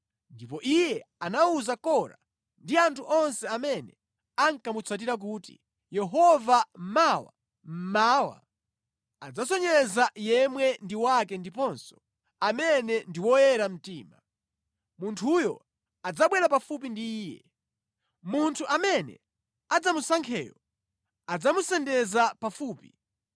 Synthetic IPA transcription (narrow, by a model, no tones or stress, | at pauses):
ndipɔʔijɛanauzakɔɾa̰ | ndiantʰuʔɔnsɛamɛnɛ̰ | aŋkamut͡sʰat̬iɾak̬utḭ | jɛɦɔvam̩mawa̰ | m̩maːwa̰ | a̰d͡zasɔɲɛzajɛmwɛndiwakɛndipɔnsɔ̥ | amɛnɛndiwɔjɛɾam̩tiːma | muntʰujɔ̰ | ad͡zaɓwɛɾapafup̬indiːjɛ̰ | muntʰuʔamɛnɛ̰ | ad͡zamusaŋkʰɛ̰jɔ̰ | ad͡zamusɛndɛzapafuːpi